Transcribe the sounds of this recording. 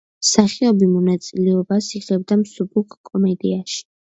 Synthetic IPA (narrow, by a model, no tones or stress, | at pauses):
saχiɔbimɔnat̪sʼilɛɔbasiʁɛb̚d̪amsubukʰkʼɔmɛd̪iaʃi̥